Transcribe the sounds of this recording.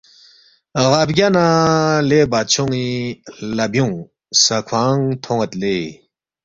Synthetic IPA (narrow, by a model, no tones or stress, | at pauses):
ɣapɡʲjanalebat͡ɕʰuŋilabjuŋ | sakʰwaŋt̪ʰoŋət̪le